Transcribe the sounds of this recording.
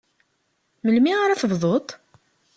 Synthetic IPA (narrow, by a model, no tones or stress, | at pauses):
məlmiʁaɾæθəvðˤot̪ˤ